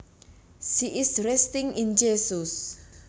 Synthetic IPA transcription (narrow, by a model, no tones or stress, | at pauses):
siʔɪsrɛst̪ɪŋind͡ʒesus